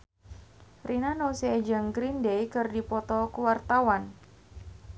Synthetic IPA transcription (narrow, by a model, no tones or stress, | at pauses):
rʔinanosiːd͡ʒaŋɡɾindejkɨrdipɔt̪ɔkuwart̪awan